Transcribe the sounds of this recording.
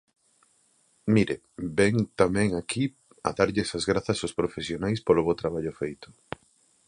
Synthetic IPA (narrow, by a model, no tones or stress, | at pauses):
miɾe | bɛŋt̪amɛ̃ŋaki | ɐ̰ðaɾʎɪɛsɐzɣɾaθɐsaʊspɾofesjonajspolʊβowt̪ɾaβ̞aʎʊfejt̪ʊ̥